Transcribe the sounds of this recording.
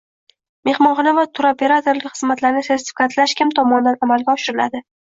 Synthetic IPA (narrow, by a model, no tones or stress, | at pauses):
me̞hmɒnχɑnavat̪ʰʊɾopʰe̞ɾat̪oɾlɪkʲχɨzmat̪laɾnɪse̞ɾt̪ʰɪ̥fɪ̥kʰat̪ʰlaʃkʲʰɪmt̪ʰɒmɒnd̪anamalɡʲaɒʃɪɾɪla̰d̪ɪ